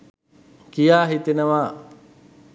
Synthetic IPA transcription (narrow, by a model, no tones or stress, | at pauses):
kijaːɦit̪enəʋaː